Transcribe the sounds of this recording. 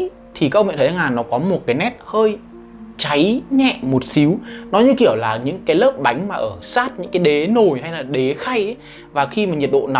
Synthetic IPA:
t̪ʰi˨˩kaː˧˦˥ʔə˧w̰t̪ʰːŋlaː˨˩nɔ˨˦kɔ˨˦mo˨˩t̚kaː˨˦jnɛ˦˥t̚həː˧j | t͡ɕa˨˦jɲɛ̰˧˨mo˨˩t̚si˨˦wnɔ˨˦ɲɨ˧ki˧˩əwlaː˨˩ɲɨ̰˧˥ŋkaː˨˦jləː˦˥p̚ɓa˨˦jŋ̟maː˨˩ʔəː˧˩saː˦˥t̚ɲɨ̰˧˥ŋkaː˨˦jɗe˨˦no˨˩jɦa˧jlaː˨˩ɗe˨˦xa˧jʔ | vaː˨˩xi˧maː˨˩ɲi˨˩t̚ɗo̰˧˨na˨

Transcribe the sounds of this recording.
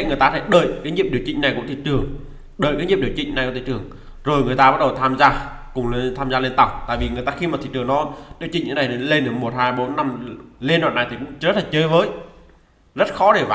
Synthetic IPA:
ŋɨ˨˩əjt̪aː˧˩e˧˩ɗəː˧˩˨jkaː˨˦ɲi˧˨əp̚ɗi˧˩əwt͡ɕḭ˧˨ŋ̟na˨˩jkʊ̰˧˥ŋ͡mt̪ʰi˧˨˩t͡ɕɨ˨˩əŋ | ɗəː˧˨jkaː˨˦ɲḭ˧˨p̚i˧˩wt͡ɕï˧˨ŋ̟na˨˩jkṵ˧˥t̪ʰi˧˨˩t͡ɕɨ˧˩əŋ | zo˨˩jŋɨ˨˩əjt̪aː˧ɓa˦˥t̚ɗə˨˩wt̪ʰaː˧mzaː˧ | kʊ˨˩ŋ͡mt̪ʰaː˧mzaː˧lnt̪a˨˩wk͡p̚t̪a̰ː˧˨vi˨˩ŋɨ˨˩əjt̪aː˧xi˧maː˨˩i˧˨˩t͡ɕɨ˨˩əŋnɔ˨˦ɗi˨ət͡ɕï˧˨ŋɲɨ̰˧˥na˨˩jt̪le˧n˨˩mo˨˩t̚haː˧jɓo˨˦nːa˧mle˧nɗwa̰ː˨˩nːa˨˩jt̪ʰi˨˩kʊ̰˧˥ŋ͡mzə˦˥t̚la˨˩t͡ɕəː˨˦jvəː˨˦j | zə˦˥t̚xɔ˨˦ɗe˧˩vaː˨

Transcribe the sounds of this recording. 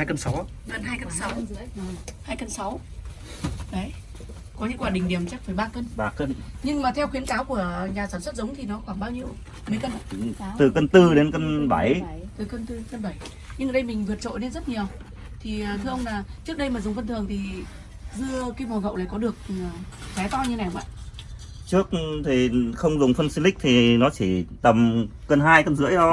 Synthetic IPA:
aː˧jkə˧nsa˨˦w | ɣə˧˩nɦaː˧jkə˧nsa˨˦whaː˧jkə˧nsa˨˦w | ɗə˨˦j | kɔ˨˦ɲɨ̰˧˥ŋkwaː˧˩ɗï˨˩ŋ̟ɗi˧˩əmt͡ɕa˦˥k̚fəː˧˩jɓaː˧kə˧nɓaː˧kə˧nɲɨ˧ŋmaː˨˩t̪ʰɛ˧wxi˨˦ənkaː˨˦wku˧˩əɲaː˨˩saː˧˩mswə˦˥t̚zə˨˦wŋ͡mt̪ʰi˨˩nɔ˨˦xwaː˧˩ŋɓaː˧wɲi˧əw | mə˨˦jkə˧n˧˨˦t̪ɨ˨˩kə˧nt̪ɨ˧ɗe˨˦nkə˧nɓa˧˩jt̪ɨ˨˩kə˧nt̪ɨ˧e˨˦nkə˧nɓa˧˩j | ɲɨ˧ŋʔəː˨˩ɗə˧jmï˨˩ŋ̟vɨ˨˩ət̚t͡ɕo̰˧˨jne˧nzə˦˥t̚ɲi˨˩əw | t̪ʰi˨˩˨t̪ʰɨ˧ʔə˧wŋ͡mlaː˨˩t͡ɕɨ˦˥ək̚ɗə˧jmaː˨˩zʊ˨˩ŋ͡mvə˧nt̪ʰɨ˨˩əŋt̪ʰi˨˩ | zɨ˧əkaː˧˦mo˨˩˨ɣə̰˧˨wlaː˧˩jkɔ˨˦ɗɨ˨˩ək̚fɛ˨˦t̪ɔ˧ɲɨ˧n˨˩hə˧˦ŋ͡mɓa̰˧˨ | t͡ɕɨ˦˥ək̚t̪ʰi˨˩xə˧wŋ͡mzʊ˨˩ŋ͡mfə˧nsi˧li˦˥k̚t̪ʰi˨˩nɔ˨˦t͡ɕi˧˩t̪ə˨˩mkə˧nɦaː˧jkə˧nzɨ̰˧˥əjə˧

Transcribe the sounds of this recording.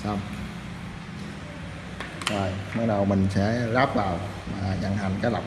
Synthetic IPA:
saː˧˩m | aː˧˩jma˦˥˩ɾa˧wma˧nt͡ɕʰaː˦˥laː˦˥˩p̚laː˨˩w | maː˧ɲa˧ŋɦa˧nkaː˥˩la˨˩

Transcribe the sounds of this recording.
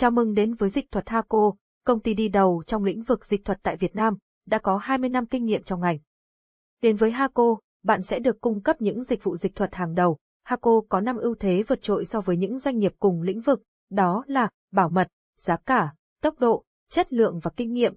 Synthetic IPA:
t͡ɕaː˨˦mɨ˧ŋɗe˨˦nvəː˨˦jzï˨˩k̚t̪ʰwə˨˩t̚haː˧ko˧ | kə˧wŋ͡mt̪i˧ɗi˧ɗə˨˩wt͡ɕɔ˧wŋ͡mlḭ˧˥ŋ̟vɨ˨˩k̚zi˨˩k̚t̪ʰə˨˩t̚t̪a̰ː˧˨jvi˨˩ət̚naː˧m | ɗa̰ː˧˥kɔ˨˦haː˧jmɨ˧əjna˧mkï˧ŋ̟ŋḭ˧˨əmt͡ɕwŋ͡mʔa˨˩jŋ̟ | ɗe˨˦nvəː˨˦jɦaː˧ko˧ | ɓa̰ː˧˨nsɛ̰˧˥ɗɨ˨˩əkːʊ˧ŋ͡mkə˦˥p̚ɲɨ̰˧˥ŋzï˨˩k̟̚vṵ˧˨zi˨˩k̚t̪ʰwə˨˩t̚haː˨˩ŋɗə˨˩w | haː˧ko˧kɔ˨˦na˧mʔi˧əwt̪ʰe˨˦və˨˩t̚t͡ɕo̰˧˨jsɔ˧vəː˨˦jɲɨ̰˧˥ŋzwa˧jŋ̟ːi˨˩əp̚kʊ˨˩ŋ͡mlḭ̈˧˥ŋ̟vɨ˨˩k̚ | ɗɔ˨˦laː˨˩ | ɓaː˧˩wmə˨˩t̚ | z̥aː˨˦kaː˧˩ | t̪ə˦˥wk͡p̚ɗo̰˧˨ | t͡ɕə˦˥t̚lɨ̰˧˨əŋvaː˨˩kï˧ŋ̟ːḭ˧˨əm

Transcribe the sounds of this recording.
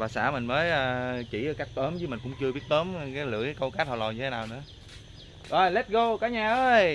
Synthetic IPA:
vaː˨˩sa̰ː˧˩mï˨˩ŋ̟məː˨˦jʔaː˨˩t͡ɕi˧˩˨ka˦˥k̚t̪əː˨˦mzɨ˨˦mï˨˩ŋ̟kʊ̰˧˥ŋ͡mt͡ɕɨ˧bi˦˥ət̚t̪əː˨˦m˨kaː˨˦jlɨ̰˧˩˥əjkə˧wka˦˥t̚hɔ˨˩lɔ˨˩ɲɨ˧t̪ʰe˨˦naː˨˩wnɨ̰˧˥ə | ʔəː˨˩lɛ˦˥t̚ɣo˧kaː˨˦ɲaː˨˩ʔəː˨˧˦j

